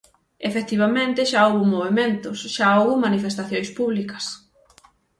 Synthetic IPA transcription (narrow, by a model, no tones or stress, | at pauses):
efek̚t̪iβamẽnt̪ɪʃaowβumoβemẽnt̪ʊsʃaowβumanifest̪aθjõjspuβlikɐs